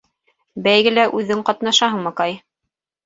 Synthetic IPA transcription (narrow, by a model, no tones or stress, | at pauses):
bæjɡɘ̆læʔʉðɘŋqɑt̪nɑʃɑɦɤɴmɤkɑj